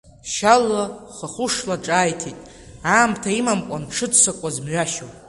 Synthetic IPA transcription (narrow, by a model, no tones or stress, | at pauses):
ʃalaχaχʷʊʂlaʈ͡ʂʼaːjtʰitʼ | aːmtʰaimamkʷʼanʈ͡ʂʰɨdsakʷʼazmɥʷᶣaʃo